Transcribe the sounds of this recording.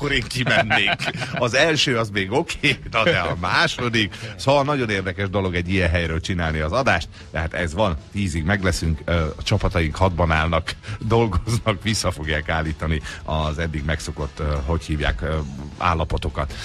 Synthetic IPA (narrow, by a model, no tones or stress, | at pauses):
kːoɾeːŋkimɛnːeːkɒzɛlʃøːɒzmeːɡokʰeːnɒd̪ɛɒmaːʃo̞d̪iksoɒnɒɟo̞neːrd̪ɛkɛʒd̪o̞lo̞ɡɛɟːijɛnɦɛjɾøːlt͡ʃinaːlniɒzɒd̪aːʃt̪ | d̪ɛɦat̪ɛzʋɒnt̪iːziɡmɛɡlɛsyŋkt͡ʃɒpɒt̪ɒjiŋkhɒd̪̚bɒnaːlnɒkd̪o̞lɡoznɒkʋisːɒfo̞ɡjaːkaːlːiːt̪ɒniɒzɛd̪ːiɡmɛkso̞ko̞t̪ːɦo̞chiːvja̰ːka̰ːlːɒpo̞t̪o̞kɒt̪